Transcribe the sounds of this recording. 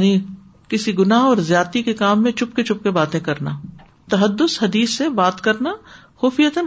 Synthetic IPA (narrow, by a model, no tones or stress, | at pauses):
ni | kɪsiɡʊnaːɦɔːɾzjaːt̪ikekaːmːẽt͡ʃʊpket͡ʃʊp̚kebaːt̪ẽkɐɾna | t̪ɐɦəd̪ːʊshɐd̪iːsːebaːt̪kɐɾna | xuːfijət̪ən